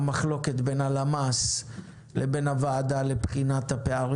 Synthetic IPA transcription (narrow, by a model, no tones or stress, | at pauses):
maχlo̞ke̞t̪be̞nalamas | lʔebe̞navaːdale̞pχinat̪hapeaʁ